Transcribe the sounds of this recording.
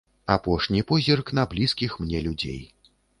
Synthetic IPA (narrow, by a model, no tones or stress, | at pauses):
apɔʂnʲipɔzʲirknɐblʲiskʲixmnʲɛlʲud͡zʲḛj